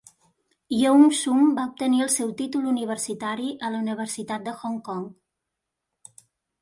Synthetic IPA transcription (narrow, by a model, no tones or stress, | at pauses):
jəuŋsumbaup̚t̪əniəlˠsɛwt̪it̪uluniβ̞ərsit̪aɾiʔələuniβ̞əɾsit̪at̪̚d̪əxɔŋkɔŋ